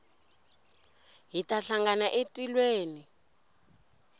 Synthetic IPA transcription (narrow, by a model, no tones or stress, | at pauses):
ɦitaɬaŋɡanaʔetʼilweːni